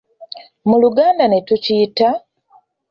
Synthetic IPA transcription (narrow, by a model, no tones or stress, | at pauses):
muluɡaːndanetuciːta